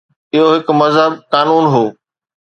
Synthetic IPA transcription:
ɪɦoɦɪkmɐzɦəb̚kaːnuːnɦoː

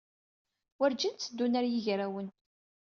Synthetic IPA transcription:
wæɾd͡ʒənt͡sːd̪ːunæɾjiʝɾæwən

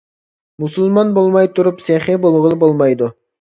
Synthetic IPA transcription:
musulˠmɑnbolˠmɑjt̪ʰʊɾupseχɪbolˠʁəlˠbolˠmɑjd̪ʊ

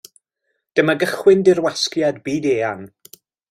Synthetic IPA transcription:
d̥əmaɡəχwɪndɪrwaskjadbiːdeːan

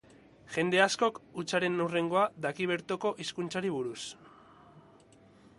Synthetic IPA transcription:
ʝe̞nd̪e̞asko̞kut͡saɾe̞nure̞ŋɡo̞ad̪akiβ̞e̞ɾt̪oko̞ʔiskunt͡saɾiβuɾus

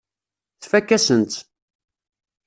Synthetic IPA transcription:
θfækːæsənt̪

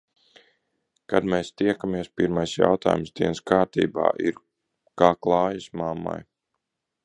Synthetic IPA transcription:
kad̪meːst̪iɛkamiɛspiɾmajsja̰wt̪a̰ːjumsd̪iɛnskaːɾt̪ḭːba̰ːʔḭɾ | kaːklˠɑːjɨsmamːa̰j

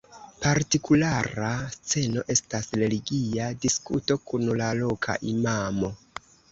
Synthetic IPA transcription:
paɾtikulaɾast͡se̞no̞ʔe̞stasɾe̞liɡiadiskuto̞kunlalo̞kʰa̰ʔimamo̞

